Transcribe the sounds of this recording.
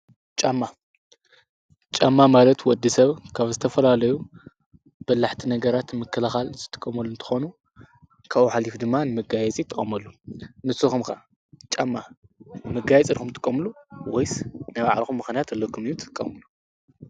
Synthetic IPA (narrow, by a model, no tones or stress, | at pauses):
t͡ʃʼamːa | t͡ʃʼamːamalɐt̪wɔd̪ːisɐβkʰaβzɨt̪ʰɐfɐlalɐju | b̥ɐlːaħt̪ʰinɐɡɐɾat̪mɨkʰːɐlɐxalzɨt̪ʼɨ̥kʼːɐmɐlːuɨnt̪ʰɨ̥xonu | kʰaħalifd̪ɨmːanɨmɨɡajɛt͡sʼit̪ʰɨχʼɐmɐlːunɨsɨxumka | t͡ʃʼamːamɨɡajɛt͡sʼiɾxumt̪ʼɨ̥kʼːɐmluwojsnajβa̰ʕ̰lxumːɨxnijat̪ɐlːokʰɨmiut̪ʰɨ̥kʼːɐ̰mɨlu